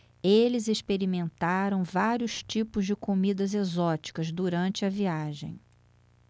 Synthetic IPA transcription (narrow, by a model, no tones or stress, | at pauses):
elɪzeʃpeɾimẽnt̪aɾɐ̃w̃vaɾjʊst͡ʃipʊzd͡ʒɪkomid̪ɐzezɔt͡ʃi̥kɐzd̪uɾɐ̃nt͡ʃɪɐviaʒḛ̃j̃